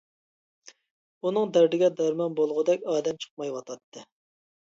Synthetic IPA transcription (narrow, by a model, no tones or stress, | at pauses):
unɨŋd̪ɛɾɾɪɡʲɛd̪ɑɾmɑnbolˠʁʊd̪ɛkʲɑːd̪ɛmt͡ʃʰə̥q̚mɑjwɑt̪ʰɑt̪ʰːɨ